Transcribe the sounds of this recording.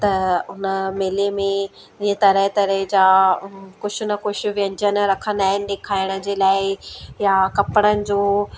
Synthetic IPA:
t̪ɐʊnəmeːlemẽ | ɪẽt̪ɐɾəɦt̪ɐɾəɦɪd͡ʑaːkʊd͡ʑʰʊnɐkʊʃʊ̆ʋijə̃nd͡ʑənɾɐkʰənd̪aːɦɪnɪ̆ɗeːkʰaːɪɽ̃ə̆d͡ʑeːlaːɪjakɐpɽ̃ənɪ̆d͡ʑoː

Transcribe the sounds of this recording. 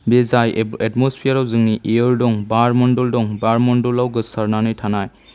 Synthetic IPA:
bezajɛtmɔspʰijaɾawzɯŋniʔejɯɾdɔŋbaɾmɔndɔldɔŋbaɾmɔndɔlawɡɯsaɾnanɯjtʰanaj

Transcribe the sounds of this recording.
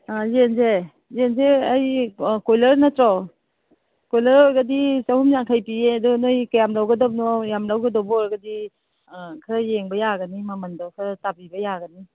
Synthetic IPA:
ajenze | zenzeajkojlɐɾnɐtɾɔw | kojlɐɾɔɾɡɐdisahumjaŋkʰajpiedɔnojkajamlawɡɐdɔp̚nɔjamlawɡɐdɔbɔɔɾɡɐdi | kʰɐɾajeŋbɐjaɡɐnimɐmɐndakʰɾatabibɐjaɡɐni

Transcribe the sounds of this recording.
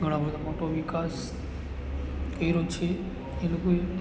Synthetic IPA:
ɡʱəɽ̃ãbəd̪ʱamoʈoʋikas | kəiɾot͡ʃʰe | elokoe

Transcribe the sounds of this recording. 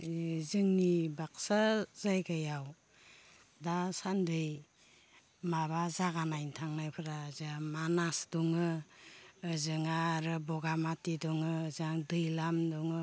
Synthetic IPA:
zɯŋnibaksazajɡajaw | dasandɯj | maβazaɡanajntʰaŋnajpʰɯɾazamanasdɔŋɯː | zɯŋaɾɯbɔɡamatidɔŋɯːzaŋdɯjlamdɔŋɯ

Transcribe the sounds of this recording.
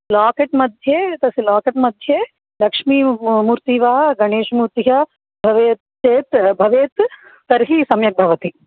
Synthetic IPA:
laːkeʈmɐd̪ʱjeːt̪ɐsilaːkeʈmɐd̪ʱjeː | lɐkʂmiːmuːɾt̪iːʋaːɡɐɳeːʃmuːɾt̪jɐ | bʱɐʋeːt̪ | t͡ʃeːt̪bʱɐʋeːt̪t̪ɐɾɦisɐmjɐk̚bʱɐʋɐt̪i

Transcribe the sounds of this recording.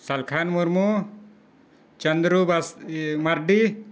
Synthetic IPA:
sɐlkʰanmuɾmu | t͡ʃɐnd̪ɾubasmɐɾɖi

